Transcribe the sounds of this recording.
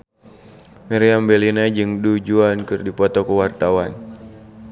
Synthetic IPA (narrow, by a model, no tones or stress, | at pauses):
miɾiambɛlinad͡ʒɨŋdud͡ʒuankɨrdipɔt̪ɔkəwart̪awan